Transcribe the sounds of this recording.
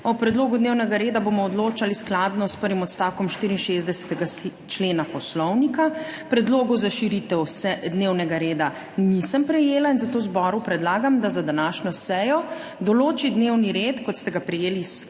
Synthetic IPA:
ɔpɾɛd̪loːɡud̪neːwnɛɡaɾeːd̪abomɔɔd̪loːt͡ʃalisklaːd̪nɔspəɾʋimɔt̪st̪aːwkɔmʃt̪iɾinʃezd̪ɛsɛ̥t̪ɛɡa | t͡ʃleːnapɔslɔwnikapɾɛd̪loːɡɔwzaʃiɾit̪ɛwsɛd̪newnɛɡaɾeːd̪a | nisəmpɾɛjeːlainzat̪oːwzbɔɾupɾɛd̪laːɡamd̪azad̪anaʃɲɔsɛjɔ | d̪ɔloːt͡ʃid̪newniɾeːt̪kɔt̪st̪ɛɡapɾɛjeːlis

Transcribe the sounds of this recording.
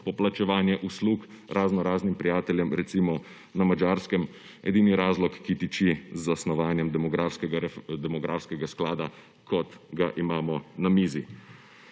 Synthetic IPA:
pɔplat͡ʃɛʋaːnjɛʔusluːk | ɾʔaznɔɾaːznimpɾijaːt̪ɛljɛmɾɛt̪simɔ | namad͡ʒaːɾskɛm | ɛ̰d̪iːniɾaːzlɔkːit̪it͡ʃizːasnɔʋaːnjɛmd̪ɛmɔɡɾaːfskɛɡaɾɛd̪ɛmɔɡɾafskɛɡasklaːd̪a | kʰɔt̪ɡaʔimaːmɔnamiːzi

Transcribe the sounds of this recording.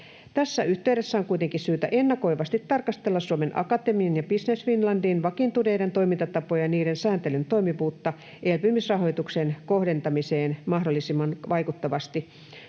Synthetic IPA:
t̪æsːæyht̪eyɾesːæoŋkuit̪eŋkisyːt̪æ̰ʔenːɑko̞iʋɑst̪it̪ːɑrkɑst̪elːɑsuomenʔɑ̰kɑt̪emiɑnjɑbisnesfinlɑndiːnʋɑkint̪uneident̪o̞jmint̪ɑt̪ɑpojɑniːɾensæːnt̪elynt̪o̞imiʋuːt̪ːɑ | ʔelpymisrɑɦo̞jt̪uksenkohdent̪ɑmiseːnmɑhdolːisimːɑnʋɑikut̪ːɑʋɑst̪i

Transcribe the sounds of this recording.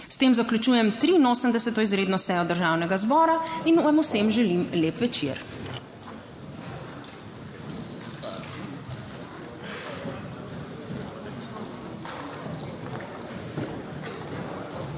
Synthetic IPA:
st̪eːmzaklʲut͡ʃuːjɛmt̪ɾiːnoːsəmd̪ɛsɛt̪ɔizɾeːd̪nɔsɛjɔd̪əɾʒaːwnɛɡazbɔːɾainamusemʒɛlimleːpʋɛt͡ʃiɾ

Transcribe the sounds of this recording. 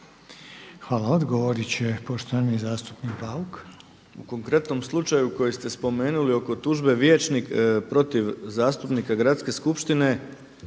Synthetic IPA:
xʋaːlaod̪ɡoʋoɾit͡ɕepoʃt̪oʋanizaːst̪u̥pnikpauk | uko̞ŋkɾe̞t̪no̞mslˠut͡ʃajuko̞jest̪e̞spo̞me̞ːnulio̞ko̞t̪uʒbe̞ʋjeːt͡ʃnikpɾo̞t̪iʋzaːst̪upnikaɡɾat̪ske̞skupʃt̪ine̞

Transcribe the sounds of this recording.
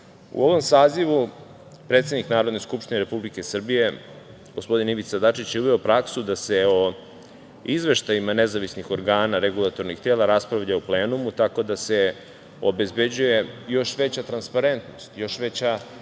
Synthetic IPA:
ṵo̞ʋo̞msaːziʋu | pɾe̞ːt̪se̞d̪niknaːɾod̪neskupʃt̪ineɾepublike̞sr̩bije̞ | ɡ̥ospo̞d̪iniʋit̪sad̪at͡ʂit͡ɕjeuβeopɾaksud̪ase̞o | izʋe̞ʃt̪ajimanezaʋisnixo̞ɾɡaːnaɾeɡulˠat̪o̞ɾnixt̪eːlˠaɾaspɾaʋʎauple̞ːnumut̪ako̞d̪ase̞ | obe̞zbe̞d͡ʑuje̞jo̞ʃʋet͡ɕat̪ɾanspaɾe̞nt̪no̞st̪jo̞ʃʋe̞t͡ɕa

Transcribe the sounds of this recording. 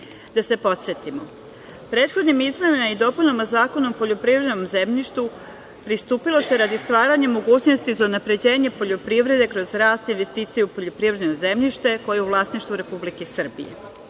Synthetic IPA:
d̪ase̞po̞t̪set̪imo | pɾeːt̪xo̞d̪nimizmenimaid̪o̞puʎʲnomozaːkonompo̞ʎo̞pɾivɾed̪nomzemʎiʃt̪u | pɾist̪uːpilo̞se̞ɾad̪ist̪ʋaːɾaɲemo̞ɡuːt͡ɕnost̪izaunapɾe̞d͡ʑe̞ːɲe̞po̞ʎo̞pɾiʋɾe̞d̪e̞kɾo̞zɾaːst̪inʋe̞st̪iːt̪sijeupo̞ʎo̞pɾiʋvɾed̪noze̞mʎiʃt̪e̞ko̞jeuʋlˠaːsniʃt̪ʋuɾe̞publikesr̩bḭjḛ

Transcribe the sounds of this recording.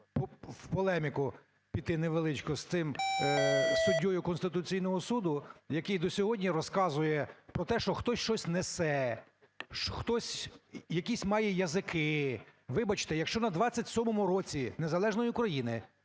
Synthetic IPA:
pɔwpɔlˠɛmʲikʊ | pʲit̪ːɪneʋelˠɪt͡ʃkɔst̪ɪm | sʊdʲːɔjʊkɔnst̪ɪt̪ʊt͡sʲijn̪ɔɦɔsud̪ʊjɐkɪjd̪ɔsʲɔɦɔdʲnʲiɾɔskɑzʊjɛpɾɔt̪ɛʃt͡ʃɔxt̪ɔsʲʃt͡ʃɔsʲnesɛ | ʃxt̪ɔsʲjɐkʲisʲmɑjɛjɐzɪkʰɪʋɪbɐt͡ʃɪ̥t̪ɛjɐkʃt͡ʃɔnɐd̪ʋɑt͡sʲːɐtʲsʲɔmɔmʊɾɔt͡sʲinezɐlˠɛʒnɔjikɾɐjinɪ

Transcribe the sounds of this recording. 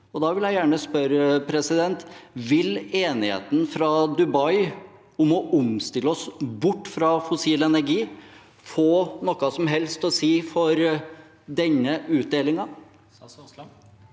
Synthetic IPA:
ɔd̪ɑːʋɪljæɪjæːɳəspœɾpʰɾɛsɪd̪ɛnt̪ʋɪleːnɪhḛːt̪ən̩fɾɑd̪ʉbɑɪ | ʊmɔʔʊmst̪ɪlːəɔsbʊʈːfɾɑfʊsiːlɛnæɾɡiː | foːnɔkːɑsɔmɦɛlst̪ɔsiːfɔɾ | d̪ɛɲːəʔʉːt̪̚d̪eːlɪŋɑ

